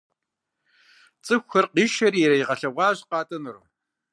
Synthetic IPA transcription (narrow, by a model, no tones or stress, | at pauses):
t͡sʼɨxʷɐrqiːʃɐriɾɐjiʁɐɬɐʁʷɑːʑqɑːtʼɐnɨrṵ